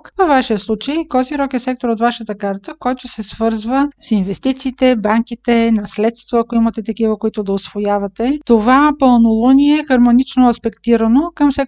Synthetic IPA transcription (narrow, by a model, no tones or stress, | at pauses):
kə̥kvəfvaʃiəslˠut͡ʃəjkɔziɾɔkɛsɛk̚t̪oɾot̪vaʃət̪əkaɾt̪əkɔjt̪ʊsɛsvɤɾzvəsinvɛst̪it̪siːt̪ɛbaŋk̟it̪ɛnɐslɛt̪st̪voɐkoimɐt̪ɛt̪ɐkivəkoit̪ʊd̪ɐʊsvojavɐt̪ɛt̪ovapəlˠnolˠoniɛxɐɾmonit͡ʃnoɐspɛkt̪iɾɐnokɐmsɛk